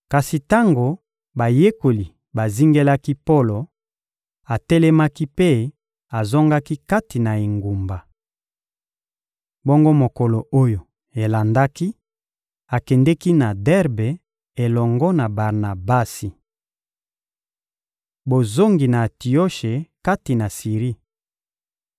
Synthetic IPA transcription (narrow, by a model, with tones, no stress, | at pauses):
ka˨si˨ta˦ŋɡo˨ | ba˨je˦ko˨li˨ | ba˨zi˦ŋɡe˦la˦ki˦po˦lo˨ | a˨tɛ˦lɛ˦ma˦ki˦pe˦ | a˨zɔ˦ŋɡa˦ki˦ka˦ti˨na˨e˨ŋɡu˨mba˨ | bo˦ŋɡo˦mo˨ko˨lo˨o˦jo˨ | e˨la˨nda˦ki˦ | a˨kɛ˨ndɛ˦ki˦na˨dɛ˦ʁbe˨ | e˨lɔ˨ŋɡɔ˦na˨ba˨ʁna˨ba˦si˨ | bo˨zo˦ŋɡi˨na˨ti˨o˦ʃe˨ka˦ti˨na˨si˨ʁi˦